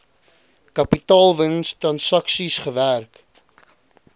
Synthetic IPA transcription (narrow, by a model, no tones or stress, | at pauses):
kɐpitɑːlˠvənstrɐnsɐksisχəværk